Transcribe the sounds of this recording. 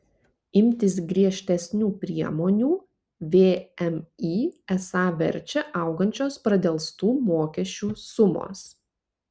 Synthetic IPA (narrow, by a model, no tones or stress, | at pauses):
ɪmʲt̪ʲɪs̬ɡɾʲiɛʃʲt̪ʲɛsʲnʲuːpʲɾʲiɛmoːnʲuː | ʋʲeːɛmiːɛsɑːʋʲɛ̰ɾʲt͡ʃʲɛʔɐˑʊɡɐnʲt͡ʃʲoːspɾɐd̪ʲɛlˠst̪uːmoːkʲɛʃʲt͡ʃʲuːsʊmo̰ːs